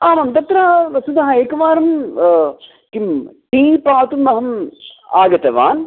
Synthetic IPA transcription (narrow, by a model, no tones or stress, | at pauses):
aːmɐmt̪ɐt̪ɾɐsud̪ɐɦɐeːkɐʋaːɾɐm | kimʈiːpaːt̪umːɐɦɐma̰ːɡɐt̪ɐʋa̰ːn